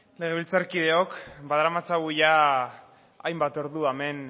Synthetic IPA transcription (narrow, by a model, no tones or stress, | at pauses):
le̞ɣe̞βilt͡saɾkið̞e̞o̞kbaðaɾamat͡saɣuʝa | ajmbat̪o̞ɾðuame̞n